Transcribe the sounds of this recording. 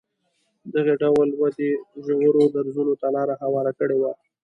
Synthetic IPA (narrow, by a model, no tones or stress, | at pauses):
d̪aɣeɖawlwad̪eʒawəɾod̪aɾzunot̪alɑɾaɦawɑɾakəɽewa